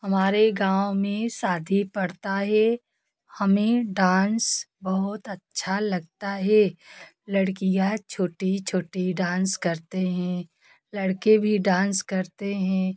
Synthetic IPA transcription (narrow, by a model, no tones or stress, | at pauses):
hɐmaːɾeɡãːwmẽsaːd̪ʱipɐɽt̪aɦɛ | hɐmẽɖaːnsbɐɦʊt̪ɐtːʃʰalɐɡ̚t̪aɦɛ | lɐɽkijat͡ʃʰoːʈit͡ʃʰoːʈiɖãːnskɐɾt̪eɦɛ̃ | lɐɽkebʱiɖãːnskɐɾt̪eɦɛ̃